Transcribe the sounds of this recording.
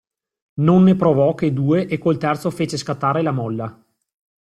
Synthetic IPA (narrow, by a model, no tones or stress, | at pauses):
nonːepɾovɔked̪uːeʔekːolt̪ɛrt̪sofeːt͡ʃeskat̪ːaːɾelamɔlːa